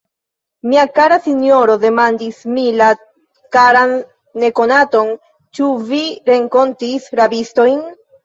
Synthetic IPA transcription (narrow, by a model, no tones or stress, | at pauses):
miakaɾasinjo̞ɾo̞de̞mandismila | kaɾanː | e̞ko̞nato̞n | t͡ʃuviɾe̞ŋko̞ntisɾabisto̞jn